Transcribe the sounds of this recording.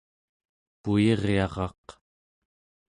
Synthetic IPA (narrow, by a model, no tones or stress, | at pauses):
pujeʁeɑʁɑ̰q